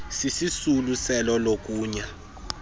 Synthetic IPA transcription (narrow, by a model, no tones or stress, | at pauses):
sisisulusɛlɔlok̬ʼuːɲa